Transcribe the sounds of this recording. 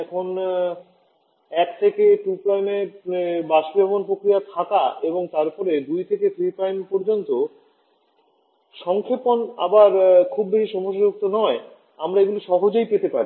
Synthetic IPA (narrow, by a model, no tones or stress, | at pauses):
ɛkʰon | ɛkt̪ʰekeʈupɾajmeɾbaʃibʱɔbonpɾokɾijat̪ʰakaeboŋt̪aɾpɔɾed̪ujt̪ʰeket̪ɾipɾajmpɔɾd͡ʑont̪o | ʃɔŋkʰepona̰baɾkʰubːeʃiʃɔmoʃad͡ʑuk̚t̪onɔe | amɾaeɡuloʃɔɦod͡ʑojpet̪epaɾi